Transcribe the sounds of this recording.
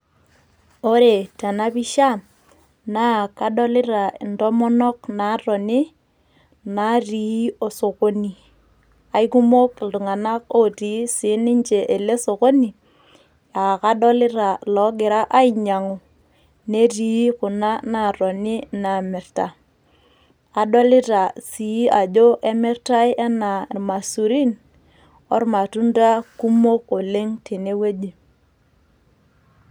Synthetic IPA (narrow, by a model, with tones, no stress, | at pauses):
o˦ɾe˨ta˨na˦pi˦ʃa˦ | na˦ka˦dɔ˦lɪ˦ɾa˨ɪ˨ndɔ˦mɔ˦nɔ˦k̚na˨˦ɾɔ˨ni˦ | na˦ri˨˦o˨so˨ko˦ni˨ | a˨i˦ku˦mo˦kɪ˨ltu˨ŋa˨na˦ko˦ɾi˨˦sɪ˨˦nɪ˦ɲt͡ʃe˨ʔe˨le˦so˨ko˦ni˨ | a˨ka˦dɔ˦lɪ˦ɾa˨lɔ˨˦ɡɪ˨ɾa˦ʔa˦i˨ɲa˨ŋu˨ | ne˦ti˨˦kʊ˨na˦na˨ɾɔ˨ni˦na˨mɪ˨ɾta˨ | a˨ɗɔ˦lɪ˦ta˨si˨i˦a˨d͡ʒo˦ʔe˦mɪ˦ɾta˦jʔɛ˦na˨ma˨su˨ɾi˦n | ɔ˦ɾma˨tu˦nda˦ku˦mo˦ko˨le˦ŋti˨ne˦we˦d͡ʒi˨